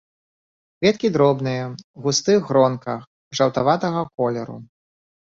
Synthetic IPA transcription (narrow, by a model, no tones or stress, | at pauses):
kvʲɛt̪kʲid̪ɾɔbnɨjɐɣust̪ɨɣɾɔnkɐx | ʐɐwt̪avat̪ɐɣɐkɔlʲɛɾṵ